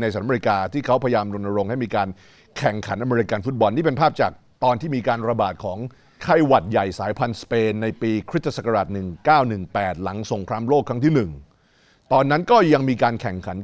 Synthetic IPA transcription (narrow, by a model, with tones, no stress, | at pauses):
na˧jsa˨˩˦mː˧˩i˧˥kaː˧t̪ʰiː˥˩kʰa˦˥wpʰa˧ja˧jaː˧mdo˧nːa˧ɾo˧ŋha˥˩jmiː˧kaː˧n | kʰɛ˨˩ŋkʰa˩˦nʔa˧meː˧i˧˥ka˧nfu˦˥t̪̚bɔ˧nːiː˥˩pe˧npʰaː˥˩p̚t͡ɕaː˨˩k̚ | t̪ɔː˧nt̪ʰiː˥˩miː˧kaː˧nɾa˧baː˨˩t̪̚kʰɔː˩˦ŋ | kʰa˧jwa˨˩t̪̚ja˨˩jsaː˩˦jpʰa˧nspeː˧nːa˧jpiː˧kʰɾi˦˥˧sa˨˩kːa˧aː˨˩t̪̚nɯ˨˩ŋkaː˥˩wnɯ˨˩ŋpɛː˨˩t̪̚la˩˦ŋso˨˩˦ŋkʰɾaː˧mloː˥˩kʰɾa˦˥ŋt̪ʰiː˥˩nɯ˨˩ŋ | t̪ɔː˧nːa˦˥nkɔː˥˩ja˧ŋmiː˧kaː˧nkʰɛ˨˩ŋkʰa˩˦n